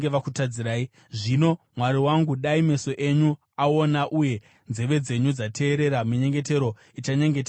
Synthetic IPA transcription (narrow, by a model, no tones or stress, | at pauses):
eʋakutad͡ziɾaːi | ʐino̞mwaɾiwaŋɡuɗaime̞so̞ʔe̞ɲu | ao̞naʔuje̞ | nze̞ʋe̞d͡ze̞ɲud͡zatʰe̞ːɾe̞ɾamiɲe̞ŋɡe̞te̞ɾo̞ | it͡ʃaɲeŋɡeta